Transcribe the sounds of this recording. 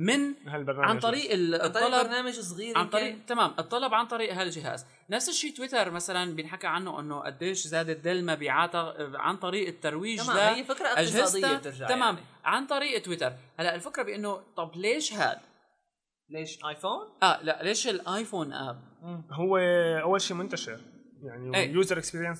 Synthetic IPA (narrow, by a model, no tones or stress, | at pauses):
mɪnhalbɑɾˤnaʕant̪ˤɑɾiːʔɪt̪ˤːɑlɑɾnaːmaʒsˤɣiːɾʕant̪ˤɑɾiːʔt̪amaːmʔɨt̪ˤːɑlɑbʕant̪ˤɑɾiːʔɦalʒɪɦa̰ːz | nafsɪʃːiːt̪wɪt̪ɑɾˤmasalanbjɪnħakːaʕanːoʔɪnːoʔa̰d̪ːeːʃzaːd̪ɪd̪almabiːʕaːt̪aʕa̰nt̪ˤɑɾiːʔɪt̪ːɑɾˤwiːʒd̪ajːfɪkɾˤɑʔʔaʒhazd̪j̪ːat̪ɪɾʒaʕt̪amaːmʕant̪ˤɑɾiːʔɪt̪wɪt̪ɑɾˤhalːaʔɪlfɪkɾˤɑbɪʔɪnːot̪ˤɑbleːʃha̰ːl | leːʃʔajfoːnʔaːlaʔleːʃɪlʔaːjfoːnʔa̰ːb̚ɦʊwːeʔawːalʃiːmʊnt̪aʃɪɾ | jaʕniʔeːjuːzɑɾˤʔɪkspiːɾjans